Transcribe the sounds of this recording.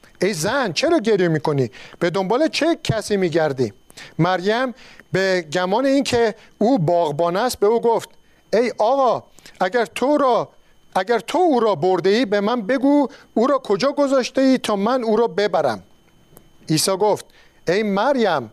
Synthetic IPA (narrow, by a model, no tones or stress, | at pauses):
ʔejzænt͡ʃʰe̞ɾɒːɟe̞ɾjemiːkʰo̞nib̥e̞d̪o̞mbɒːlet͡ʃʰecʰæsiːmiːɟæɾd̪imæɾjæmbeɟæmɒːneiːncʰe̞ | uːbɒːɣbɒːnæst̪̚be̞uːɡoft̪ | ejɒːɣɒ | æɟæɾt̪ʰoɾɒ | ʔæɟæɾt̪ʰouːɾɒːboɾd̪eiːbe̞mænbe̞ɡuː | uːɾɒːkʰo̞d͡ʒɒːɡo̞zɒːʃt̪eiːt̪ʰɒːmænuːɾɒːbe̞bæɾæ̰m | iːsɒːɡoft̪̚ | ejmæɾjæm